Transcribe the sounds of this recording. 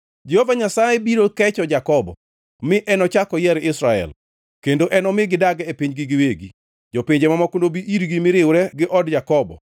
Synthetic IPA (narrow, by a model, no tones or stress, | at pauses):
d͡ʒehovaɲasajɛbiɾokɛt͡ʃɔd͡ʒakɔbɔ̰ | mɪʔɛnɔt͡ʃakɔjɛɾɪsɾaɛ̰l | kendoʔɛnɔmɪɡɪdaɡɛepiɲɡɪɡɪweɡi | d͡ʒopiɲd͡ʒemamakondobiʔiɾɡimɪɾɪwɾɛɡɪʔɔdd͡ʒakɔbɔ̰